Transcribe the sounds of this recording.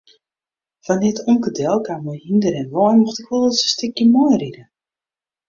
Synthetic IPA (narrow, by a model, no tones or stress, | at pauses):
fanɪtʰumkədɛlˠkamɔjhindəɾɛnʋɔnmɔxtɪkʋolˠəsə̥stɪkjəmɔjridə